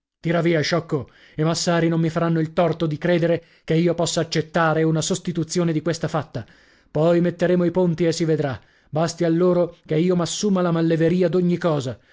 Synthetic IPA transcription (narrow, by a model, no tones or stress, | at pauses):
t̪iɾaviːaʃɔkːo | emasːaːɾinomːifaɾanːoilt̪ɔrt̪od̪ikɾeːd̪eɾe | keiːopɔsːaːt͡ʃːet̪ːaːɾeunasost̪it̪ut̪sːjoːned̪ikwest̪afat̪ːa | pɔjmet̪ːeɾeːmoipont̪iesːived̪ɾa | bast̪ialːoːɾokeiːomasːuːmalamalːeveɾiːad̪oɲːikɔːza